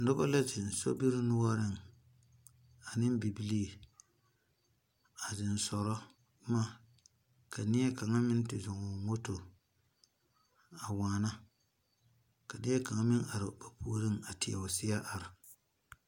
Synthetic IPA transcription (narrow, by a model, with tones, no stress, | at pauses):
dʊ˦ba˦la˦d͡ʒɪ˨n˨so̰˦bi˦ɾɪ˦nʊ˦wa˦ɾɪ˦ŋ˨ | a˨nɪ˦m˦bi˨bi˦li˦˨ | a˨dɪ˨nsɔ˨ɾɔ˦ | ma˦˨ | ka˨nɪ˦jɛ˦ka˨ŋa˦mɪ˦n˦tɪ˨zʊ˨ŋɔ˨ŋo˦to˨ | a˨waː˨na˦ | ka˨nɪ˦ɛ˦ka˨ŋa˦mɪ˦ŋa˨ɾɪ˨ba˨pu˨˦ɾɪ˦ŋa˨tɪ˨a̰˨ʊ˨sɪ˦ja˦ʔa˨ɾɪ˨